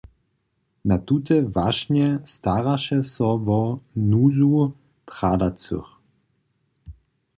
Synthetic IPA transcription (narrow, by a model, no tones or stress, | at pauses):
nat̪ut̪ɛvaʃɲɛst̪aʁaʃɛsɔvɔnuːzu | tʁadat͡sṵx